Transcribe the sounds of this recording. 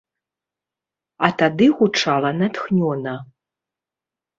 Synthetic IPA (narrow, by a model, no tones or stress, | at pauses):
at̪ad̪ɨɣut͡ʂalˠɐnat̪xnʲɔnɐ